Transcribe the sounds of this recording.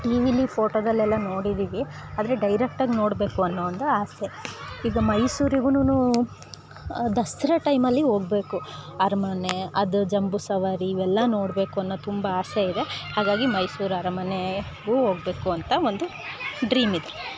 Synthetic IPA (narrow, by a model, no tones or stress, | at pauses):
ʈiːʋiːlipʰoːʈoːd̪ɐlːɛlːɐno̞ːɽid̪iːʋiaːd̪ɐɾeɖɐjɾek̚ʈaːɡno̞ːɽbe̞ːkuɐnːoʋɐnd̪uaːseiːɡɐmɐjsuːɾiɡununu | d̪ɐsiɾɐʈɐjmɐlːiɦo̞ːɡ̚be̞ːkuɐɾɐmɐneɐd̪ud͡ʒɐmbusɐʋaːɾiːʋɛlːɐno̞ːɽbe̞ːkuɐnːot̪umbɐaːseid̪ehaːɡaːɡimɐjsuːɾɐɾɐmɐne | ɡuɦoːɡbe̞ːkuɐnt̪ɐo̞nd̪u | ɖɾiːmid̪e